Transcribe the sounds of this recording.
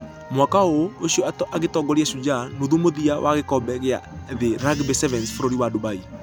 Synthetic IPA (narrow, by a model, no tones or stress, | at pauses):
mwakaooʃiɔatɔʔaɣetɔɡɔɾiaʃud͡ʒanoðumoðiawʔaɣekɔbɛɣea̰ðeɾaɡbɛsɛvɛnsfoɾoɾiwadobai